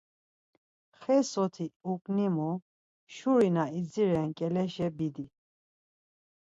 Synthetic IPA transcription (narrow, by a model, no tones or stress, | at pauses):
χɛsɔt̪ʰiukʼnimu | ʃuɾinaid͡ziɾɛnkʼɛlɛʃɛbid̪i